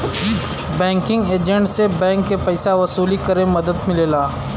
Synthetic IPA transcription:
bɛ̃ːŋkɪ̃ŋɡeːd͡ʒə̃ɳʈsebɛ̃ːŋkːepɛɪsaʋɐsuːlikɐɾẽmɐd̪əd̪mɪleːlaː

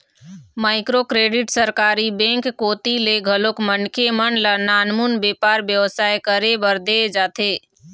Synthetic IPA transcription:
maːɪkɾokɾeːɖɪʈsəɾkaːɾibɛ̃ːŋkːoːt̪ileɡʱəlokmənkʰemənlanaːnmunbeːpaːɾbjəʋsaːjkəɾebəɾd̪ed͡ʒaːt̪ʰeː

